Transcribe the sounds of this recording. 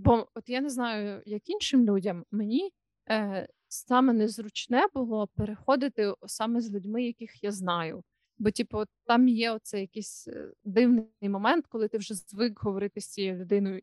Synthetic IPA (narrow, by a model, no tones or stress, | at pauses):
bɔɔt̪janɛznɑjʊjɐkinʃɪmlʲudʲɐmːenʲi | sɑmɛnɛzɾʊt͡ʃnɛbʊlˠɔpeɾexɔd̪ɪt̪ɪsɑmɛzʲlʲudʲmɪjɐkɪxjaznɑjʊ | bɔtʲipɔt̪t̪ːɑmjɛɔt̪̚sɛjɐkɪsʲd̪ɪwnɪjmɔmɛnt̪kɔlˠɪt̪ɪwʒɛzʋɪkɦɔʋɔɾɪt̪ɪsʲt͡sʲijɛlʲʊd̪ɪnɔjʊ